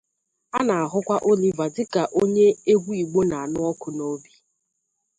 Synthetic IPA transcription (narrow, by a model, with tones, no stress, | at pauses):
a˦na˨a˨ɦʊ˦kʷa˦ʔo˦li˨va˨dɪ˦ka˨ʔo˦ɲe˦e˦ɡʷu˦i˨ɡ͡bo˦na˨a˨nʊ˦ɔ˦kʊ˨no˦bi˦